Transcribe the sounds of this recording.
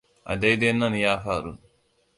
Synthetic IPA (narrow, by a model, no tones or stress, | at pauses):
ɐ̰d̪ejd̪enːɐnijaːfaːɾṵ